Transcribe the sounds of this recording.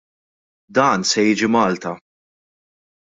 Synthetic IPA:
d̪ɐːnsɛjiːd͡ʒimɐːlt̪ɐ

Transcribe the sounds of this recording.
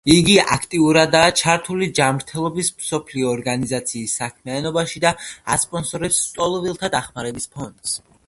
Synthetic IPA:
iɡia̰kʰt̪ʼiuɾad̪aːt͡ʃʰaɾt̪ʰulid͡ʒamɾt̪ʰɛlˠɔbismsɔpʰliɔːɾɡanizat̪sʰiːsːakʰmianɔbaʃid̪aa̰spʼɔnsɔɾɛpst̪ʼɔlˠɔvilˠt̪ʰad̪aχmaɾɛbispʰɔnd̪s

